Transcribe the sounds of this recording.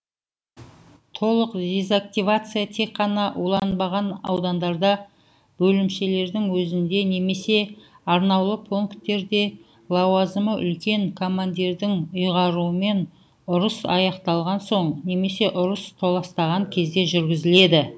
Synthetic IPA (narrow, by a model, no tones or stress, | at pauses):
t̪ʰo̞lˠəqd̪ʲezak̚t̪ʲivat̪sɨjat̪ʰe̞kqːɑnɑʔulˠɑnbɑʁɑnɑ̰wd̪ɑnd̪ɑɾd̪ɑ | bɵlɪmʃe̞le̞ɾd̪ɪŋwɵzɪnd̪e̞ne̞me̞se̞ | ɑɾnɑwlˠəpʰoŋkt̪e̞ɾd̪e̞ | lˠɑwazəməʔʏ̰lkʲe̞ŋkʰo̞mand̪ieɾd̪ɪŋʊjʁɑɾuəme̞n | ʊɾəsɑ̰jɑqt̪ɑlˠʁɑnso̞ɴne̞me̞se̞ʔʊɾəst̪ʰo̞lˠɑst̪ɑʁɑŋkʲʰe̞zd̪e̞ʒʏɾɡʲɪzɪle̞d̪ɪ